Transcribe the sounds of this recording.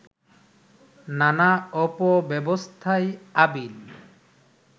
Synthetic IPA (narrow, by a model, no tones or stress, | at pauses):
nanaɔpɔbɛbɔst̪ʰajabil